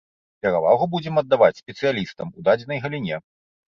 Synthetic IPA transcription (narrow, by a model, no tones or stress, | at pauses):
pʲɛɾava̰ɣubud͡zʲɛmɐd̪ːavat͡sʲsʲpʲɛt̪sɨjalʲist̪ɐmud̪ad͡zʲɛnɐjɣɐlʲinʲɛ